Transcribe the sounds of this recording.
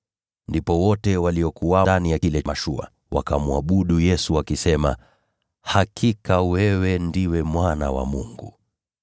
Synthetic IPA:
ndipɔwɔtɛwaliɔkuwaanijailɛmaʃua̰ | wa̰kamuaɓuɗujɛsuwakisɛma̰ | hakʰikawɛwɛndiwɛmwana̰wa̰mṵŋɡu

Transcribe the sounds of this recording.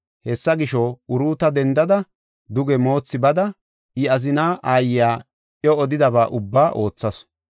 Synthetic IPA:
hɛsːɐɡɪʃɔʊɾuːt̪ɐd̪ɛnd̪ɐd̪ɐ | d̪ʊɡɛmo̞ːt͡sːɪbɐd̪ɐ | ʔɪɐzɪnaːʔaːjjaː | ʔjɔːd̪ɪd̪ɐbaːʔʊbːaːʔo̞ːt͡sːɐs

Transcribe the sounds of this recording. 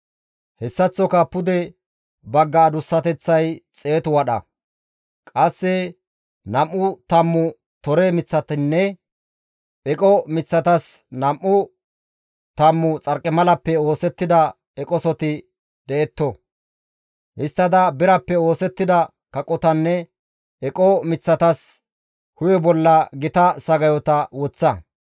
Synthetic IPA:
hɛsːɐt͡sːɔkɐpʊd̪ɛ | bɐɡːɐːd̪ʊsːɐt̪ɛt͡sːɐjt͡sʼe̞ːt̪ʊwɐɗɐ̰ | kʼɐsːɛ | nɐmʔːʊt̪ɐmːʊ | t̪ɔɾemɪt͡sːɐt̪ɪnːɛ | ʔɛkʼɔmɪt͡sːɐt̪ɐsnɐmʔːʊ | t̪ɐmːʊt͡sʼɐɾkʼːɪmɐlɐpːɛo̞ːsɛt̪ːɪd̪ɐ | ɛkʼɔsɔt̪ɪ | d̪ɛɛt̪ːɔ | hɪst̪ːɐd̪ɐbɪɾɐpːɛo̞ːsɛt̪ːɪd̪ɐ | kɐkʼɔt̪ɐnːɛ | ɛkʼɔmɪt͡sːɐt̪ɐs | hʊjɔbɔlːɐɡɪt̪ɐsɐɡɐjɔt̪ɐwɔt͡sːɐ

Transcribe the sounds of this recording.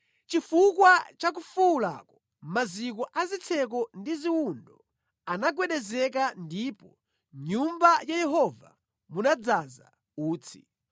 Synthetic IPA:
t͡ʃifukwat͡ʃak̬ufuula̰ːkɔ̥ | mazik̬ɔʔazit͡sʰɛk̬ɔndiziwundɔ | anaɡwɛɗɛzɛkandipɔ | ɲumbajajɛɦɔva̰ | munad͡zaza̰ | uːt͡sʰi̥̰

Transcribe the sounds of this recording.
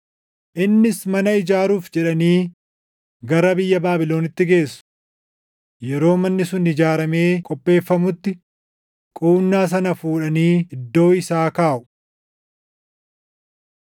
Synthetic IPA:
ʔɪnːɪsmɐnɐɪd͡ʒaːɾuːfd͡ʒɛᶑɐniː | ɡɐɾɐbɪjːɐbaːbɪlo̞ːnɪt̪ːɪɡe̞ːsːʊ̥ | jɛɾo̞ːmɐnːɪsʊnɪd͡ʒaːɾɐme̞ːkʼɔpʼːe̞ːfːɐmʊt̪ːɪ | kʼuːnːaːs̬ɐnɐfuːᶑɐniːɪd̪ːo̞ːɪsaːkaːʔʊ̥

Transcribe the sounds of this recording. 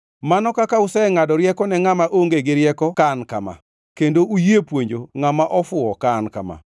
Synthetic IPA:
manɔkakausɛŋadɔɾjɛkɔnɛŋamaʔoŋɡeɡɪɾjɛkɔkanka̰ma̰ | kendoujepwoɲd͡ʒoŋamaʔɔfʊɔkanka̰ma̰

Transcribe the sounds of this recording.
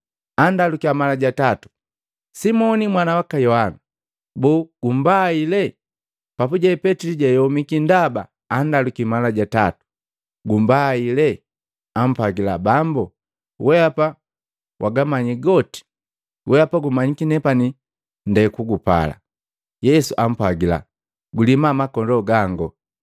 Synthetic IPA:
andalukiamalaɟatatu̥ | simɔnimwanawakajɔhana | buːɡ̥um̩bailɛ | papuɟaɛpɛtiliɟajɔmikindaba̰ː | ndalukimalaɟata̰tu̥ | ɡumbailɛ | am̩pwaɡilabambu | wʔɛapa | wʔaɡamaɲiɡɔti̥ | wʔɛapaɡumaɲikinɛpani | ndɛkuɡupa̰la̰ | jɛsuʔam̩pwaɡila̰ | ɡulimamakɔndɔɡaŋɡɔ

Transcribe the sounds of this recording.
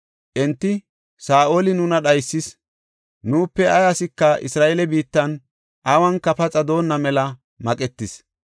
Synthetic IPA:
ʔɛnt̪ːɪ | saːʔolɪnʊnɐɗɐjsːɪs | nuːpːɛɐɡɐsɪkːɐʔɪ̰sɾaːʔelɛbiːt̪ːɐn | ʔɐwɐŋkːɐpɐt͡sʼɐd̪o̞ːnːɐmɛlɐ | mɐkʼɛt̪ːɪs

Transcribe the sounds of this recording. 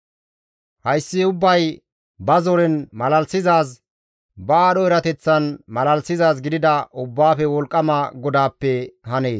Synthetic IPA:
hɐjsːɪʊbːɐj | bɐzɔɾɛnmɐlɐlsɪzaːs̬ | bɐaːɗɔɛɾɐt̪ɛt͡sːɐnmɐlɐlsɪzaːs̬ɡɪd̪ɪd̪ɐʔʊbːaːfɛwɔlkʼːɐmɐɡɔd̪aːpːɛɦɐne̞ːs

